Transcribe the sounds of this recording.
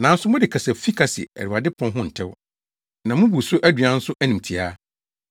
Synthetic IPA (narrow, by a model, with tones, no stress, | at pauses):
nã˨n̩˦sʊ˦mʊ̃˦dɪ˨kʰa˨sɛ˨fi˦kʰa˨sɪ̰˨æ̰˨ɾi˨a˨dɪ˦pʰɔ̃˦nɦʊ̃˦n̩˨tʰɪ˦w | nã˨mʊ̃˦bu˨sʊ˦ʔæ˦dɥa˨˦n̩˦sʊ˦ʔæ˦nĩ˨m˨tʰi˨a˦